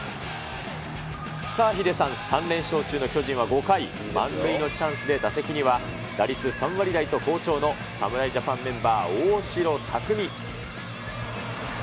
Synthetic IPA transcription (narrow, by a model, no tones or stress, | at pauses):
saːçid̪e̞sãɰ̃sãnɾẽ̞ɰ̃ɕo̞ːt͡ɕɨːno̞kʲo̞ʑĩɰ̃β̞aɡo̞kai | mã̰nbɯino̞t͡ɕãɰ̃sɨd̪e̞d̪ase̞kʲiɲ̟iβa | d̪̥aɾʲit͡sɨsãɰ̃βaɾʲid̪ait̪o̞ko̞ːt͡ɕo̞ːno̞ | sa̰mɯ̟ɾaiʑapãmːẽ̞mbaːoːɕiɾo̞t̪ʰakɯ̟mʲi